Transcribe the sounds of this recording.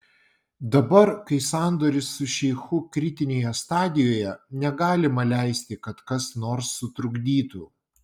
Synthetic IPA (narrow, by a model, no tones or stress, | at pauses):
d̪ɐbɐɾkɐɪsɑːˑnd̪oːɾʲɪsːʊʃʲɛɪxʊkɾʲɪt̪ʲɪnʲeːjɛst̪ɑːd̪ʲɪjoːjɛnʲɛɡɑːlʲɪmɐlʲæˑɪsʲt̪ʲɪkɐt̪kɐsnoːɾsːʊt̪ɾʊɡd̪ʲiːt̪uː